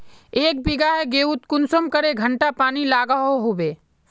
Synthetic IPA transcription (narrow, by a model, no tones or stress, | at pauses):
eːk̚bɪɡaɦɛɡeːut̪kʊnsəmkəɾeɡʱə̃ɳʈapaːnilaːɡaɦoɦobeː